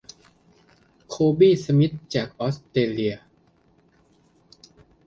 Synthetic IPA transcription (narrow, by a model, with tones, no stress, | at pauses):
kʰoː˧biː˥˩sa˧mi˦˥t̪̚t͡ɕaː˨˩k̚ʔɔː˦˥st̪eː˧li˧ɐ